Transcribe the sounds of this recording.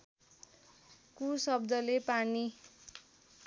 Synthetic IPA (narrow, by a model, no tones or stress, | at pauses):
kusʌbd̪ʌlepani